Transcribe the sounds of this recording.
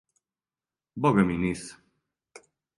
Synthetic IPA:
bɔɡɛminis

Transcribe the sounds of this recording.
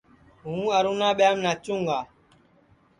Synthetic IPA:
ɦũːəɾuːnãːɓjaːmnaːt͡ʃũːŋɡaː

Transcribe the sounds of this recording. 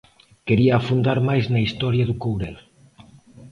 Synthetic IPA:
keɾiaːfund̪aɾmajznɐist̪ɔɾjɐðukowɾɛ̰l

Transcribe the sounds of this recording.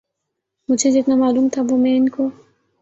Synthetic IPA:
mʊd͡ʒʱed͡ʒɪt̪namaːluːmt̪ʰabomɛ̃ɪnko

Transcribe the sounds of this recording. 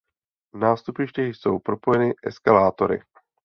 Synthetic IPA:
vnaːst̪upɪʃcɛxjso̞wpɾo̞po̞jɛnɪʔɛskalaːt̪o̞ɾɪ̰

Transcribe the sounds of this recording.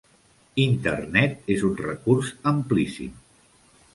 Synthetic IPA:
int̪ərnɛt̪ezunrəkurzəmplisḭm

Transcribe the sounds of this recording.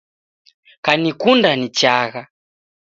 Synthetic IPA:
kanikundanit͡ʃaɣa

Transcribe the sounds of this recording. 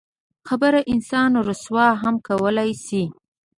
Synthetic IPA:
xabəɾaʔɪnsɑnɾʊswɑɦamkawəlajsi

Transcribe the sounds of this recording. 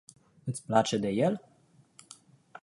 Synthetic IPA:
ɨt̪sʲplat͡ʃe̞d̪e̞jel

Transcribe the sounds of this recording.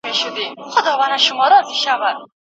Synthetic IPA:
meʃʊd̪iχʊd̪ɒvanaʃʊmɔɾɔziʃavad̪̚

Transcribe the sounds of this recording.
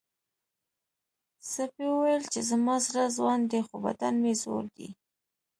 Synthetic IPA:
sapewəwajəlt͡ʃezamɑsaɾazwɑnd̪exoba̰d̪anmezo̰ɾd̪ḭ

